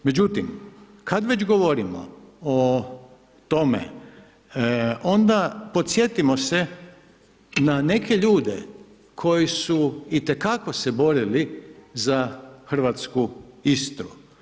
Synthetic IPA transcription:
me̞d͡ʑut̪im | kad̪ʋe̞d͡ʑɡoʋo̞ɾimo̰o | t̪o̞mḛ | o̞nd̪apo̞t̪sje̞t̪imose | nane̞ke̞ʎuːd̪ḛ | kʰo̞jisuit̪e̞kako̞sebo̞ɾilizaxr̩ʋat̪skuist̪ɾṵ

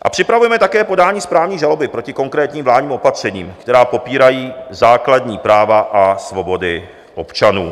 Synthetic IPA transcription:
ʔa̰pr̝̥ɪpɾavujɛmɛt̪akɛːpo̞daːɲiːspɾaːvɲiːʒalo̞bɪpɾo̞cɪko̞ŋkɾɛːt̪ɲiːmvlaːdɲiːmo̞pat̪r̝̥ɛɲḭːmkt̪ɛɾaːpo̞piːɾajiːzaːkladɲiːpɾaːvaʔasvo̞bo̞dɪ | ʔo̞pt͡ʃanuː

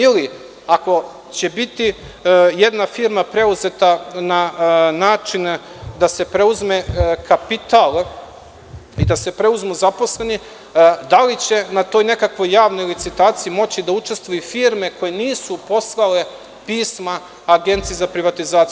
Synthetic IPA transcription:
ili | ako̞ | t͡ɕe̞bit̪i | je̞d̪nafiːɾmapɾe̞uzet̪ananaːt͡ʃin | d̪ase̞pɾe̞uzmekʰapit̪alˠ | id̪ase̞pɾe̞uzmuzapo̞sle̞ni | d̪alit͡ɕe̞nat̪o̞ːjne̞kakʋo̞jːaːʋnojlit̪sit̪aːt̪siimo̞t͡ɕid̪aut͡ʃe̞st̪ʋojifiːɾme̞ko̞jeniːsupo̞slˠale̞ | piːsmaː | ɡe̞nt̪sijezapɾiʋat̪izaːt̪i

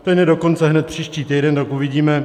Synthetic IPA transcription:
t̪ɛnjɛdo̞ko̞nt͡sɛɦnɛt̪pr̝̥iːʃciːt̪ijdɛnt̪akuvɪɟiːmɛ

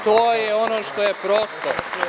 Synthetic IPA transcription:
t̪oːjɛonoʃt̪ojepɾoːst̪o̰

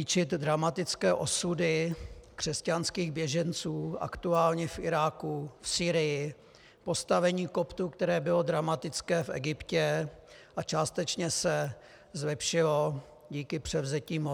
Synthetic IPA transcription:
it͡ʃɪt̪dɾamat̪ɪt͡skɛːʔo̞sudɪkr̥ɛscanskiːɣbjɛʒɛnt͡suːʔa̰kt̪uaːlɲɛfʔɪɾaːkufsiːɾɪjɪ | po̞st̪avɛɲiːko̞pt̪ukt̪ɛɾɛːbɪlo̞d̪ɾamat̪ɪt͡skɛːfʔɛ̰ɡɪpcɛ | ʔat͡ʃaːst̪ɛt͡ʃɲɛsɛ | zlɛpʃɪlo̞ | ɟiːkɪpr̥ɛvzɛciːm

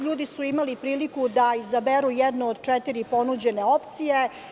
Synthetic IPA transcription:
ʎuːd̪isuimalipɾiːlikud̪aizabeɾujɛd̪nuod̪t͡ʃɛt̪iɾipo̞nud͡ʑeneo̞pt̪sije

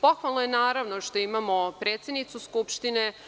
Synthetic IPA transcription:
po̞xʋalˠnojenaːɾaʋnoʂt̪o̞imamo̞pɾeːt̪sʲjed̪nit̪suskupʃt̪ine

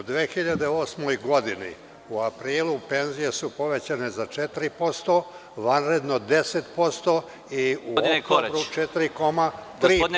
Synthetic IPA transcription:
ud̪ʋeːxiʎad̪eoːsmojɡo̞d̪inḭ | uapɾiːlˠupe̞nzije̞supo̞ʋe̞t͡ɕane̞zat͡ʃet̪iɾipo̞st̪o̞ | ʋanɾe̞d̪no̞d̪e̞set̪po̞st̪o | iukoɾut͡ʃet̪iɾiko̞mat̪ɾiː

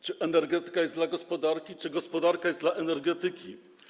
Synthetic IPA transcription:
t͡ʂɘʔɛnɛɾɡɛt̪ɘ̥kajɛsd̪laɡɔspɔd̪aɾkʲit͡ʂɘɡɔspɔd̪aɾkajɛsd̪laʔɛnɛɾɡɛt̪ɘkʲi

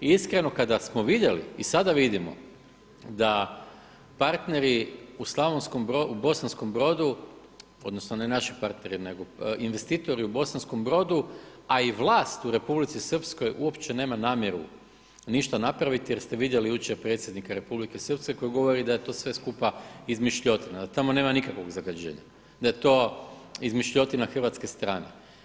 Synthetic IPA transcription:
iskɾe̞no̞kad̪asmo̞ʋid̪je̞lḭisad̪aʋid̪imo̞̰ | d̪a | paɾt̪ne̞ɾiuslˠaʋonsko̞mbɾoubo̞sansko̞mbɾo̞d̪u | o̞̰d̪no̞sno̞ne̞naʃipaɾt̪ne̞ɾine̞ɡo̞inʋe̞st̪iːt̪o̞ɾiubo̞sansko̞mbɾo̞d̪uaiʋlˠaːst̪uɾe̞publit̪sisr̩psko̞jʔuo̞pt͡ʃene̞ːmanaːmjeɾu | niʃt̪anapɾaʋit̪ijeɾst̪e̞ʋid̪je̞lijut͡ɕeɾpɾe̞t̪sjed̪nikaɾe̞publike̞sr̩pske̞ko̞jiɡo̞ʋo̞ɾid̪aje̞t̪o̞ːsʋe̞skupaizmiʃʎo̞t̪inad̪at̪amo̞ne̞ːmanikakʋo̞ɡzaɡad͡ʑe̞̰ːɲa̰ | d̪ajet̪o̞ːizmiʃʎo̞t̪inaxrʋat̪ske̞st̪ɾaːne̞̰

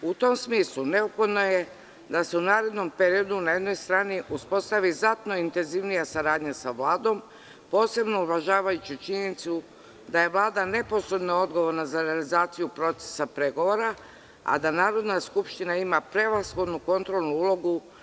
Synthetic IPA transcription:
ut̪o̞msmiːslune̞opxo̞d̪no̞je | d̪ase̞unaːɾe̞d̪no̞mpeɾio̞d̪unaje̞d̪no̞jst̪ɾaːniʔuspo̞st̪aʋizat̪no̞int̪e̞nziʋnijasaɾaːd̪ɲasaʋlaːd̪o̞m | po̞ːse̞bno̞uʋaʒaːʋajut͡ɕut͡ʃiɲenit̪su | d̪aje̞ʋlˠaːd̪ane̞po̞sɾe̞d̪noo̞d̪ɡo̞ʋo̞ɾnazaɾealizaːt̪sijupɾo̞t̪se̥sapɾeɡo̞ʋo̞ɾa | a̰d̪anaːɾo̞d̪naskupʃt̪inaimapɾe̞ʋasxo̞d̪nuko̞nt̪ɾo̞lˠnuulo̞ɡu

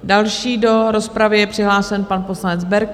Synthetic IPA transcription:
dalʃiːdo̞ɾo̞spɾavɪjɛpr̥ɪɦlaːsɛnpanpo̞slanɛd͡zbɛɾk

